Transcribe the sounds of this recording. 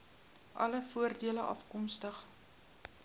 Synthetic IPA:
ʔɐ̰ləfuərdiələʔɐfkɔmstəχ

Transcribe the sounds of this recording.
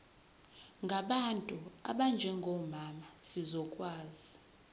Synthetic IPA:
ŋɡʱaɓantʼua̰ɓand͡ʒʱɛŋɡʱɔmamasizɔkʼwaːzi

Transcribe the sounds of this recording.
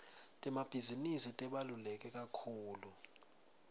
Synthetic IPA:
tʼɛmab̥ʱizinisitʼɛɓalulɛk̬ʼɛk̬ʼakʰuːlu

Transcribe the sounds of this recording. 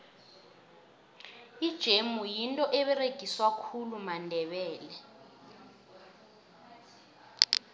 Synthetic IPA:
id̥ʒ̥ʱemujintʼɔʔɛɓɛreɡ̥ʱiswakʰulumandʱɛɓɛːlɛ

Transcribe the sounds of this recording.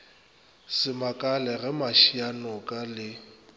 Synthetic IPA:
sɪmakʼalɛɣɛmaʃianɔkʼalɪ

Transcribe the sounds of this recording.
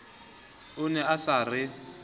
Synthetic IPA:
ʊnɛasarɪ

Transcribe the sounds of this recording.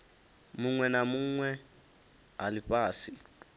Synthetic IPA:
muŋwɛnamuŋwɛ | alipaːsi

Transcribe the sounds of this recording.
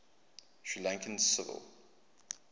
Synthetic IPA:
ʃɹilãŋkʰə̃nsɪvə̰lˠ

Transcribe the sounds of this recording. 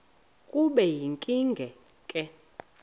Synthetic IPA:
kʼuɓɛjiŋkʼiŋɡʱɛ | kʼɛ

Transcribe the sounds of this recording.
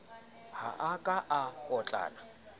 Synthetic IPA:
haʔakʼaʔaɔt͡ɬʼa̰ːna

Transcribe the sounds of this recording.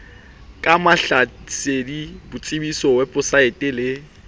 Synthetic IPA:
kʼamaɬasedibʊt͡sʼɪbisɔwɛpʼʊsaetʼɪlɪ

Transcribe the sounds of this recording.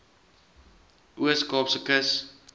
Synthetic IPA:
ʔuəskɑːpsəkəs

